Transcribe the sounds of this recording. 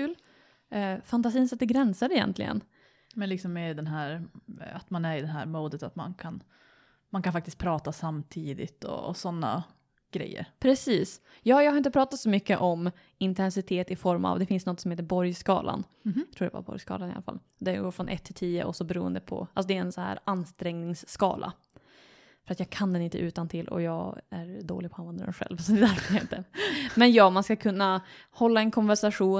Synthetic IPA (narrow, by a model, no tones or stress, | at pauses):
kʰʉːl | fant̪asiːnsat̪ːəɡɾɛnsaɾɛjɛ̰nt̪lɪ̰ɡə̰n | mɛnlɪksɔmːeːɾɪd̪ɛnɦæːɾat̪manæɾɪd̪ɛnɦæ̰ːɾmuːd̪ət̪at̪ma̰nkʰan | mankʰanfak̚t̪ɪskt̪̚pʰɾɑːt̪asamt̪ʰiːd̪ɪ̰t̪ɔ̰sɔnːa̰ | ɡ̥ɾɛ̰jːə̰ɾpʰɾɛsiːs | jɑːjɑːɡhɾɪnt̪əpʰɾɑːt̪at̪sɔmʏkːəʔɔm | ɪnt̪ʰɛnsɪt̪ʰeːt̪ɪfɔɾma̰vd̪ɛfɪnsnɔt̪sɔmheːt̪əɾbɔɾjskɑ̰ːlʔa̰n | jɑt̪ʰuːɖ̪ɛ̰va̰bɔ̰ɾjskɑ̰ːlanɪa̰lafa̰l | d̪ɛɡoːɾfɾɔnʔɛt̪ʰːɪlt̪ʰiːə̰ʔɔsɔbɛɾṵːə̰nd̪əpʰɔ̰ʔalsɔd̪ɛæɾɛnsɔhæ̰ːɾanst̪ɾɛŋnɪŋsːkɑ̰ːla̰ | fœɾat̪jɑːɡkʰand̪ɛnɪnt̪əʔʉ̟ːt̪ant̪ʰɪlːʔɔ̰jɑːɡæɾɖ̪oːlɪɡ̚pʰɔhanɛnd̪ɾɛ̰nɧɛ̰lvsɔd̪ɪd̪aɾhḛːt̪ːəmɛnjɑːmanskakʰɵnːa | hɔlːaɛnkʰɔnvæɾʂaɧuː